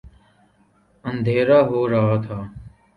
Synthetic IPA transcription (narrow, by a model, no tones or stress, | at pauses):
ənd̪ʱeːɾaːɦoːɾəɦaːt̪ʰaː